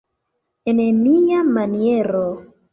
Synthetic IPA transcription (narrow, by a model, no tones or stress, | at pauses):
enemiamanieɾo